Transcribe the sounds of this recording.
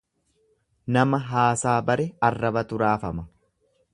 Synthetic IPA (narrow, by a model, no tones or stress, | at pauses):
nɐmɐɦaːsaːbɐɾɛɐrːɐbɐt̪ʊɾaːfɐmɐ